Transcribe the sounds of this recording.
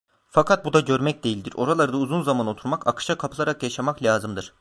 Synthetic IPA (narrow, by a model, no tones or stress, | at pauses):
fakʰat̪̚bud̪aɟø̞ɾmɛc̚d̪ejilʲd̪iɾo̞ɾalˠaɾɯd̪auzunzamano̞t̪ʰuɾmaka̰kʰɯ̥ʃakʰapʰɯlˠaɾakjaʃamaklʲaːzɯmd̪ɯɾ̥